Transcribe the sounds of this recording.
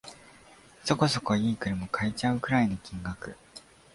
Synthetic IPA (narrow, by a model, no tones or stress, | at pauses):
so̞ko̞so̞koiːkɯ̟ɾemo̞kʰait͡ɕaɯ̟kɯ̟ɾaenokʲĩŋɡakɯ̟